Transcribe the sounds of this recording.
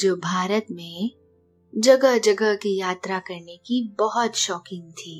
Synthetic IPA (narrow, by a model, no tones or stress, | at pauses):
d͡ʒoːbʱaːɾət̪mẽ | d͡ʒɐɡəɦd͡ʒɐɡəɦkijaːt̪ɾakɐɾnekibɐɦɔt̪ʃɔːkɪ̃ŋɡ̚t̪ʰiː